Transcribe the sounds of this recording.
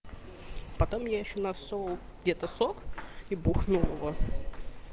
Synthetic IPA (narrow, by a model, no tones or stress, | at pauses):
pɐt̪omjaɪɕːonasolˠ | ɡdʲet̪əsokibuxnulˠvˠə